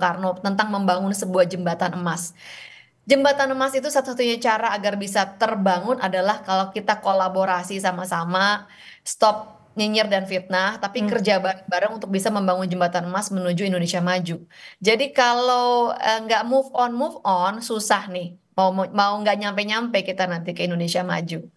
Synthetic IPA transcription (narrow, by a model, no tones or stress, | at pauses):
karnot̪ənt̪aŋməmbaŋʊnsəbuahd͡ʒəmbat̪anəmas | d͡ʒəmbat̪anəmasit̪usat̪usat̪uɲat͡ʃaɾaːɡarbisat̪ərbaŋʊnadalahkalokit̪akolaboɾasisamasama | st̪ɔp̚ | ɲəɲərdanfit̪̚naht̪apikərd͡ʒabaɾaŋ̚baɾaŋunt̪ʊk̚bisaməmbaŋʊnd͡ʒəmbat̪anəmasmənud͡ʒuindonesiamad͡ʒud͡ʒadikalawəŋɡaʔmufɔnmufɔnsusahnɪh | maummauŋɡaʔɲampajɲampajkit̪anant̪ikəindonesiama̰d͡ʒu